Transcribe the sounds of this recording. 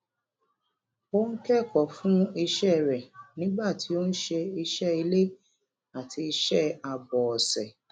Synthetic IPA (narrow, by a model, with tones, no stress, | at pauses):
o˦n̩˦kɛ˦˨kɔ˨fũ˦i˧ʃɛ˦˨ɾɛ˨nĩ˦ɡ͡ba˦˨tʰi˨˦o˦n̩˦ʃe˧i˧ʃɛ˦i˧le˦ | a˨tʰi˧ʃɛ˦˨a˨bɔ˨ɔ˨sɛ˨